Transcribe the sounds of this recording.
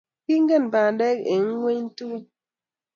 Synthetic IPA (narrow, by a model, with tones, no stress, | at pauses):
ki˦ŋ̩˦ɡe˦˨n˨ba˨n˨dɛ˦ke˨ŋ̩˦ŋwe˦ɲ˦n̩˦tu˦